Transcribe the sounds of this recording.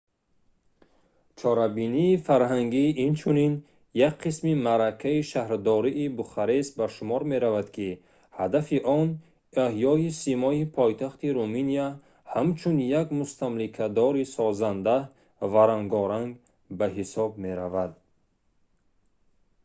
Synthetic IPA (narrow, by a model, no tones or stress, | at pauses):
t͡ʃʰɔɾabiniːfaɾɦaŋɡiint͡ʃʰunin | jakqʰismimaɾakʰaiʃahɾd̪ɔɾiʔːbuχaɾesbaʃumɔɾme̞ɾavad̪kʰi | had̪afiʔɔn | ehjɔisimɔipʰɔjt̪ʰaχt̪iɾuminia | hamt͡ʃʰunjaɡmust̪ʰamlikʰad̪ɔɾisɔzand̪a | vaɾaŋɡɔɾaŋɡ | baɦisɔb̚me̞ɾavad̪̚